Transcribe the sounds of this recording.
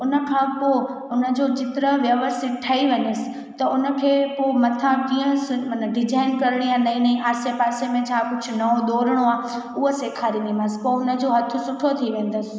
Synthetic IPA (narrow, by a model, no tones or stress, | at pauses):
ʊnə̆kʰãpo | ʊnə̆d͡ʑod͡ʑɪt̪ɪɾəʋjɐʋəst̪ʰɪt̪̚ʈʰɐiʋɐ̃ɲəsɪ̥̆ | t̪ɐʊnəkʰeːpomɐt̪ʰãkiːə̃sɐnɖɪd͡ʑaːɪnkɐɾɽ̃ijãnɐĩnɐĩʔaːsepaːsemẽt͡ɕʰãːkʊd͡ʑʰʱʊ̆nɐõɗ̪oːɾəɽ̃oaː | ʊɦəseːkʰaːɾĩniməspoʊnə̆d͡ʑoːɦɐt̪ʰʊ̆sʊʈʰot̪ʰiʋẽːnd̪əsɪ̥̆